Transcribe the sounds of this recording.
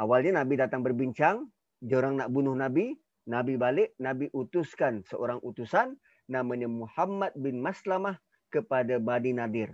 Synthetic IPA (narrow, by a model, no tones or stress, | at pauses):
ʔawalɲanabidat̪aŋbərbiɲt͡ʃaŋ | d͡ʒoɾaŋnaʔbunʊhnabi | nabibalɪʔnabiʔut̪uskansəʔoɾaŋʔut̪usanː | amaɲamuhamːat̪̚bɪnmaslamah | kəpadabadinadɪr